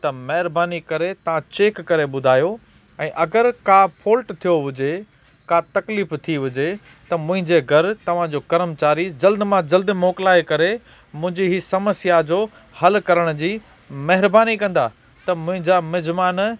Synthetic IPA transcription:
t̪ɐmɐɦɪɾbaːnikɐɾet̪ɐʋ̤ãt͡ɕeːkːɐɾeɓʊd̪ʱaːjo | ɛ̃ːʔɐɡəɾkaːpʰoːlʈt̪ʰijoɦʊd͡ʑe | kat̪ɐkliːft̪ʰiʋʊd͡ʑe | t̪ɐmʊ̃ɦɪ̃ɲd͡ʑeɡʱɐɾt̪ɐʋ̤ãd͡ʑoːkɐɾəmt͡ɕaːɾid͡ʑɐld̪mãd͡ʑɐld̪mɔːklaːekɐɾe | mʊ̃ɦɪ̃ɲd͡ʑiɦisɐməsijad͡ʑoː | hɐlkɐɾəɽ̃d͡ʑiː | mɐɦɪɾbaːnikɐ̃nd̪a | t̪ɐmʊ̃ɦɪ̃ɲd͡ʑamɪd͡ʑmaːn

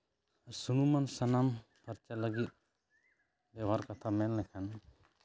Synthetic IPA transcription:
suɽ̃umansanam | pʰəɾt͡ʃaləɡit̪̚ | bɛwaɾkat̪ʰamɛnlɛkʰan

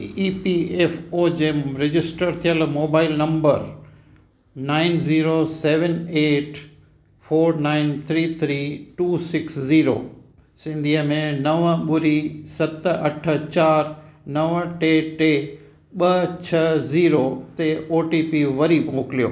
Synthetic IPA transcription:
iːpieːfoːd͡ʑeːmɾɪd͡ʑɪsʈəɾt̪ʰijəlmoːbaːɪlnɐ̃mbəɾ | naːɪnziːɾoseːʋəneːʈʰ | foːɾnaːɪnt̪ʰɾiːt̪ʰɾiːʈuːsɪksziːɾo̰ː | sɪ̃nd̪ʱiəmẽnɐʋəɓʊɾisɐt̪ɐʈʰə̆t͡ɕaːɾnɐʋʈeːʈeː | ɓɐt͡ɕʰɐziːɾot̪eoːʈipiʋɐɾibmʊːkɪlijo̰ː

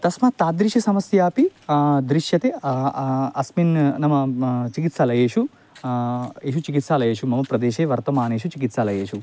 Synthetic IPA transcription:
t̪ɐsmɐt̪aːd̪ɾiʃɐsɐmɐsjaːpid̪ɾiʃjɐt̪eː | ɐsminnɐmɐt͡ʃikit̪saːlɐjeːʃu | eːʃ̬ut͡ʃikit̪saːlɐjeːʃumɐmɐpɾɐd̪eːʃeːʋɐɾt̪ɐmaːneːʃut͡ʃikit̪saːlɐjeːʃu

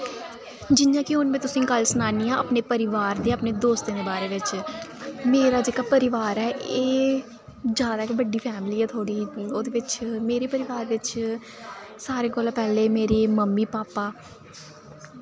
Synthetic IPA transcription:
d͡ʒɪnjãːkɪɦʊnmẽːt̪ʊsĩːkəlsənaːniːãːə̰pneːpəɾɪʋaːɾd̪eːəpneːd̪oːst̪ẽːd̪eːbaːɾeːʋɪt͡ʃ | meːɾaːd͡ʒeːkaːpəɾɪʋaːɾɛːeː | d͡ʒjaːd̪aːkɪbəɖiːpʰɛːmliːɛːt̪ʰoːɽiːoːd̪eːʋɪt͡ʃmeːɾeːpəɾɪʋaːɾʋɪt͡ʃ | saːɾeːɡolãːpɛːleːmeːɾeːməmːiːpaːpaː

